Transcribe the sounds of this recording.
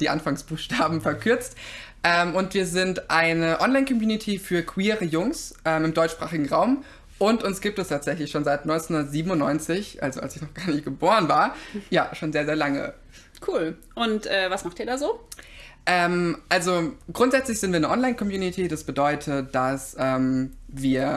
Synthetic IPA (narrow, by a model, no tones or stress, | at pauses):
d̥iːʔa̰nfaŋsb̥uːxʃtaːbm̩fɛɐkʰʏɐt͡st | ʔɛːmʊntv̥iːɐzɪntʔaɪnəʔɔnlaɪnkʰɔmjuːnitʰifyːɐkʰw̥iːʁəjʊŋsʔɛːmɪmdɔʏt͡ʃʃpʁ̥aːχɪɡŋ̩ʁaʊm | ʔʊntʊnsɡ̥iːp̚tɛstʰaːtz̥ɛçlɪçʃoːnzaɪtnɔʏnt͡senhʊndɐtz̥iːbm̩ʊnːɔʏnt͡sɪçʔa̰lzo̰ʔa̰lsɪçnɔχɡ̥aːɐnɪçt̚ɡ̥əboːʁənvaːɐjaːʃoːnzeːɐzeːɐlaŋə̰ | kʰuːl | ʔʊntʔɛːvasmaχtiːɐdaːzoː | ʔɛːmʔalzoɡ̥ʁʊntz̥ɛt͡slɪçz̥ɪntv̥iːɐnəʔɔnlaɪnkʰɔmjuːnitʰidasb̥ədɔʏtʰətd̥asʔɛːmviːɐ